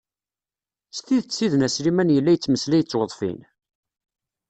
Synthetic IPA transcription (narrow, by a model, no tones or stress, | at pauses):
st̪iðt͡sːiðnæsɾimænjəlːæjət͡sːməslæjət͡sːwəðˤfḭn